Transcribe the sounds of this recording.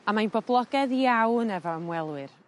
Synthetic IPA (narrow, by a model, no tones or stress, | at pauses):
amajnbɔblˠɔɡɛðiawnɛvɔəmwɛlˠwɨr